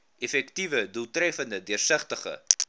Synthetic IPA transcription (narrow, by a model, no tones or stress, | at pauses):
ʔefɛktivədulˠtrɛfəndədiərsəχtəχə̰